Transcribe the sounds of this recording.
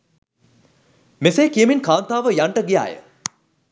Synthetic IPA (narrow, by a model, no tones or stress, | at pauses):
meseːkijəminkaːnt̪aːʋəjaɳʈəɡija̰ːjə̰